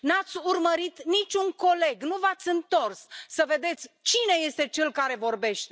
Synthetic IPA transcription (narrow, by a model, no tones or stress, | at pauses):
nat̪sʲurməɾit̪nit͡ʃʲuŋko̞le̞ɡnuvat̪sʲɨnt̪o̞rssəve̞d̪e̞t̪sʲt͡ʃine̞je̞st̪e̞t͡ʃe̞lkaɾe̞vo̞rbe̞ʃt̪e